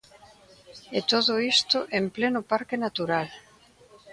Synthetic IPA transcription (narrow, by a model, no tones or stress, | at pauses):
et̪oðʊist̪ʊʔemplenʊpaɾkenat̪uɾal